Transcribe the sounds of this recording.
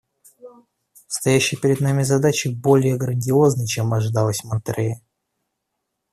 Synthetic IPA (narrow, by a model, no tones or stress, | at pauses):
st̪ɐjæɕːɪjpʲɪɾʲɪd̪namʲɪzɐd̪at͡ɕɪbo̞lʲɪjəɡɾənʲdʲɪo̞znəjt͡ɕemɐʐɨd̪alˠəsʲmɨnt̪ɾɨjə